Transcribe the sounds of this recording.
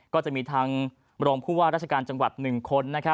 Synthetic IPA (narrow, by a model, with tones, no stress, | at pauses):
kkɔː˥˩t͡ɕa˨˩ʔmiː˧t̪ʰaː˧ŋ | ɾoː˧ŋpʰuː˥˩waː˥˩ɾa˥˩t͡ɕʰa˧kaː˧nt͡ɕa˧ŋwa˨˩t̪̚nɯ˨˩ŋkʰo˧nːa˦˥kʰa˦˥